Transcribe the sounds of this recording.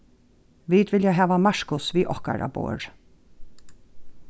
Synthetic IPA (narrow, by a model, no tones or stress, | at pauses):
ʋiːd̪ʋɪljaɦæːʋamaʂkʊsʋiːʔɔhka̰ɹa̰bo̰ːɹ